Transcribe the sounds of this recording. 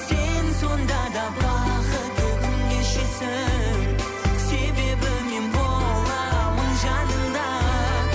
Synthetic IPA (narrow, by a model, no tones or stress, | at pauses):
senso̞nd̪ɑd̪ɑbɑqət̪əkʏŋɡeʃesɪŋ | se̞be̞bɪme̞nbolˠɑməɴʒɑnəɴd̪ɑ